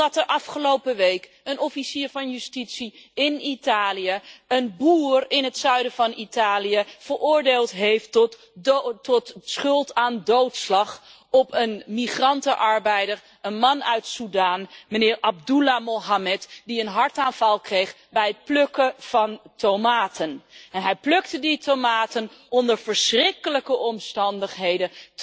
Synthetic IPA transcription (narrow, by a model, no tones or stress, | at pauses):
dɑtəɹʔɑfχəlowpəʋejk | ənɔfisiːɹvɑnjystitsiɪnitaːlijəənbuːrɪnətsœɥdəvɑnitaːlijəv̥ərʊːɹdeːlˠtɦejft | ɔtsχɵlˠtaːndowtslɑχ | ɔpənmiχrɑntəʔɑɹbɛjdəɹ | ənmɑnœɥtsudaːnmənɪːɹʔɑb̚dulamoɦamɛtdiənɦɑɹtaːnv̥ɑlˠkrejχ | bɛjət̚pløkəv̥ɑntowmaːtʰənɛnɦɛjplɵktəditomaːtənɔndəɹv̥əɹsrɪkələkəʔɔmstɑndəχɦejdə